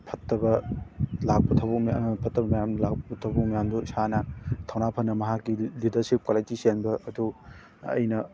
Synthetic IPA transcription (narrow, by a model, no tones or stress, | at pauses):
pʰɐtːɐbɐlak̚pɐtʰɐwbukmpʰɐtːɐbɐmɐjamlak̚pbɐtʰɐwbuk̚mɐjamdusanɐtʰawnapʰɐnːɐmɐɦakːilidɐɾsip̚kaletisenbɐʔːdu | ɐ̰jnɐ